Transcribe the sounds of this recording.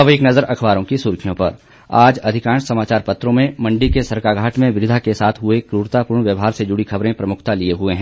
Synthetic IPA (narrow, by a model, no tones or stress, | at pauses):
ɐʋiknɐzəɾɐkʰʋaːɾõkisʊɾkʰijõpɐɾ | aːd͡ʒɐd̪ʱɪkãːnʃsɐmaːt͡ʃaːɾpɐt̪ɾõmẽmɐ̃ɳɖikesɐɾkaːɡʱaːʈʰmẽʋɪʋɪd̪ʱakesaːt̪ʰɦʊekɾuːɾt̪apuːɾɳ̃ʋjəʋɦaːɾsed͡ʒʊɽikɐbɾẽpɾɐmʊkʰt̪alieɦʊeɦɛ̃ː